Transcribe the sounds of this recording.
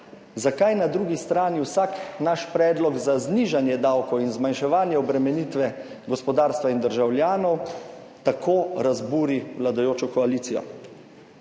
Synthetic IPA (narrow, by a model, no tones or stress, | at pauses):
zakajnad̪ɾuːɡist̪ɾaːniwsaknaʃpɾɛːd̪lɔɡzazniʒanjɛd̪awkɔwinzmanʃɛʋaːnjɛɔbɾɛmɛnit̪ʋɛ | ɡɔspɔd̪aːɾst̪ʋaind̪əɾʒawljaːnɔw | t̪akʰoːɾazbuːɾiwlad̪ajoːt͡ʃɔkɔaliːt̪sijɔ̰